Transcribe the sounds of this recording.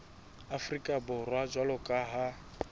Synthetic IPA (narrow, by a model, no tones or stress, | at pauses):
afrikʼabʊrwad͡ʒwalʊkʼaɦa